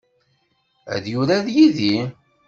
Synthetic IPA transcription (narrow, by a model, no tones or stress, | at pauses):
æ̰ðjuɾæðjiði